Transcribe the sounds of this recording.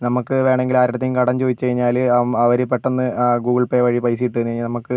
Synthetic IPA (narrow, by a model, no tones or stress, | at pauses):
nɐmukːɨʋe̞ːɳe̞ŋɡilaːɾiɾɐt̪ːejmkɐɽɐmt͡ɕoːðit͡ɕːt͡ɕɐɻiɲːaːlɐɐʋɐɾepːeʈːonːɨɡuːɡɐɭpeːʋɐɻipɐjsijiʈːɨenːɐɲːinɐmɐkːɨ